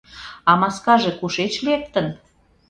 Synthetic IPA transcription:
ɑmɑskɑʒekuʃet͡ɕlek̚t̪ən

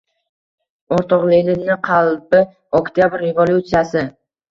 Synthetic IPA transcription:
oɾt̪ɒqlelɪnɪqʰɑlˠpɪ | okt̪ʰjabɾːe̞volʲˠjut̪sijasɪ

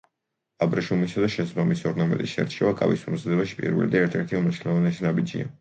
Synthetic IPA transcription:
abɾaʃumisad̪aʃɛsabamisɔɾnamɛ̰t̪ʼisʃɛ̰ɾt͡ʃʰʼɛvakʼa̰vḭsumzad̪ɛbaʃi̥pʼḭɾvḭlḭd̪aɛɾt̪ʰɛɾt̪ʰiumniʃnɛlˠɔvanɛʃinabid͡ʒḭa̰

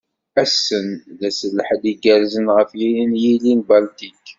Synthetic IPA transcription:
æsːənðæsəlːəħəd̪iɡæɾzənʁəfjiinjilinbɑlt̪ik

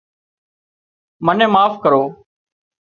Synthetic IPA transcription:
mənẽːmaːfkəɾoː

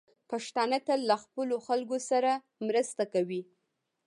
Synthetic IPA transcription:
paʃt̪ɑnat̪allːaxpəloxalɡosaɾa | mɾəst̪akawi

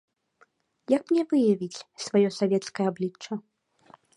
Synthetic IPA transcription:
jɐk̚mnʲɛvɨjɐvʲit͡sʲsvajɔsavʲɛt̪skɐjɐablʲit͡ʂːɐ

